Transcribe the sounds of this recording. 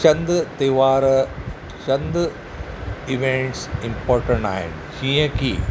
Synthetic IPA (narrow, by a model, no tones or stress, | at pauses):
t͡ʃɐnd̪ɨt̪ɐjʋaːɾɐ | t͡ʃɐnd̪ɨ | iʋeɳʈsimpoːɾʈɐɳɖa̰ːjḭɳɖʃĩːjɐki